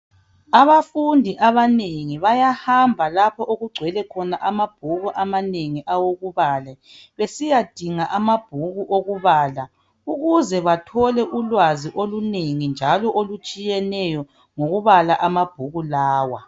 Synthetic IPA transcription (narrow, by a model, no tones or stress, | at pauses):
aβafundʱiʔaβaneŋiβajahambʱalapʰɔʔoɣuɡ͡ǀʱwɛlɛkʰɔnaʔamab̥ʱuɣuʔamaneŋiʔawoɣuβaːlɛ | βesijad̥ʱiŋaʔamab̥ʱuɣuʔoɣuβaːla | uɣuzɛβatʰɔlɛʔulwaziʔoluneŋind͡ʒʱalɔʔolut͡ʃʼijɛnɛjɔ | ŋoɣuβalaʔamab̥ʱuɣulaːwa